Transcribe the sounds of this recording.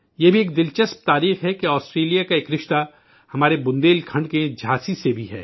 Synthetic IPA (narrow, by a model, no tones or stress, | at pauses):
jebʱieːk̚d̪ɪlt͡ʃəsp̚t̪aːɾiːxɦɛkeɔːsʈɾeːlijakaeːkɾɪʃt̪a | hɐmaːɾebʊ̃nd̪eːlkʰɐ̃ɳɖked͡ʒʱaːsisebʱiɦɛː